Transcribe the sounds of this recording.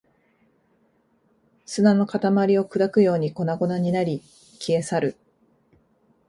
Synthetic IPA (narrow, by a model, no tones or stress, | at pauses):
sɨnano̞kat̪amaɾʲio̞kɯd̪akɯ̟jo̞ːɲ̟iko̞naɡo̞naɲ̟inaɾʲi | kʲie̞saɾɯ̟